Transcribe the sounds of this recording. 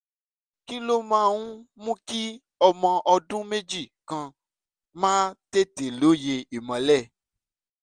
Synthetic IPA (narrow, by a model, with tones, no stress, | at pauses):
ki˦lo˦mã˦˨wũ˦mũ˦ki˦ | ɔ˧mɔ̃˧ʔɔ˧dũ˦me˦d͡ʒi˦˨kã˧ | mãː˦te˦te˨lo˨˦je˧i˨mã˨lɛ˦˨